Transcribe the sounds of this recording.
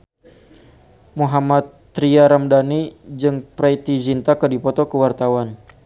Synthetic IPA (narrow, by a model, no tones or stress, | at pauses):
muɦamat̪ː | ɾiaɾamdanid͡ʒɨŋpɾajt̪id͡ʒint̪akədipɔt̪ɔkəwart̪awan